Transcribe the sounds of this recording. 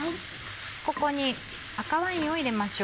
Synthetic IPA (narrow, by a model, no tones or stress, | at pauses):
ko̞ko̞ɲ̟i | akaβaĩo̞iɾe̞maɕo